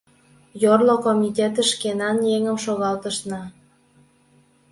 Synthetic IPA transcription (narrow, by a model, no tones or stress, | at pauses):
jorlokomʲitʲet̪ə̆ʃkenɑnjeŋə̆mʃoɣɑlt̪əʃnɑ